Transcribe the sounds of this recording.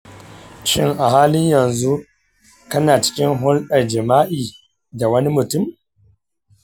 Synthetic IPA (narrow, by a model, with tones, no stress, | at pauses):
ʃɪ˦ŋʔa˨haː˦lɪ˦ɲjɐ˨nzu˦ | kɐ˦naː˨t͡ʃɪ̥˦kʲɪ˦ŋɦʊ˦lɗɐ˨rd͡ʒɪ˨maː˦ʔiː˨ | da˨wɐ˦ni˦mʊ˨tʊ˦m